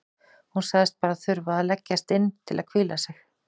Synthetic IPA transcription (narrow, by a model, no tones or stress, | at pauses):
hunsaːɣðɪst̪̚paːɾaθʏɾvaalɛcːast̪ɪnːt̪ʰɪla̰ðkʰviːlasɪx